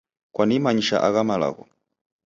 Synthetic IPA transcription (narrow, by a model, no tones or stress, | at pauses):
kwanimaɲiʃa̰ʔaɣamala̰ɣɔ̰